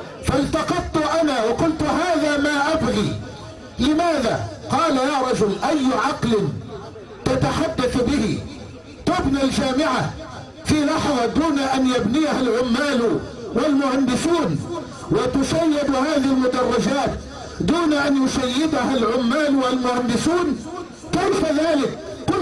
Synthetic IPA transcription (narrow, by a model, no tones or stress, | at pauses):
falt̪ɑqɑd̪t̪ʊʔanawɑqʊlt̪haːðaːmaʔabliː | lɪmaːðaːqɑːlajaːɾˤɑd͡ʒʊlʔajːʕɑqlɪn | t̪at̪aħad̪ːaθbɪhi | t̪ʊbnild͡ʒaːmɪʕa | filɑħðˤɑd̪uːnaʔanjabnɪjahalʕʊmːaːlwalmʊhand̪ɪsuːn | wɪt̪ʊʃajːɪd̪haːðɪhɪlmʊd̪ɑrˤːɑd͡ʒaːt̪ | d̪uːnaʔanjʊʃajːɪd̪ahalʕʊmːaːlwalmʊhand̪ɪsuːn | kajfaðaːlɪkː | ʊn